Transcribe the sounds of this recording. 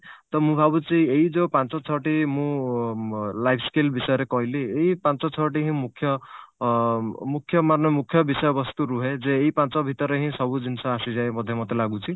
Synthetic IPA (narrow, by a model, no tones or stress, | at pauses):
t̪ɔmũbʱabut͡ʃʰieɦid͡ʒepãnt͡ʃɔt͡ʃʰɔʈimũ | lajpʰskelbisɔjɔɾekɔɦileːipãnt͡ʃɔt͡ʃʰɔʈ̬iɦĩmukʰːjɔ | mukʰːjɔmannjɔmukʰjɔbisɔjɔbɔst̪uɾuɦed͡ʒeːipant͡ʃɔbʱit̪ɔɾeɦĩsɔbud͡ʒinsɔasid͡ʒaemɔd̪ʱjɔmɔt̪elaɡut͡ʃʰi